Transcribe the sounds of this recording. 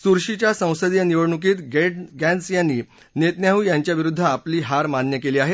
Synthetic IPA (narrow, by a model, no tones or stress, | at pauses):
suɾɕit͡ɕjasə̃w̃səd̪jəniʋəɭɳuk̬iːt̪ɡeʈɡɛ̃nsjanːiː | net̪njaɦuːjãɲt͡ɕjaʋiɾud̪ʱːəapliːɦaɾmanjəkeliːaɦe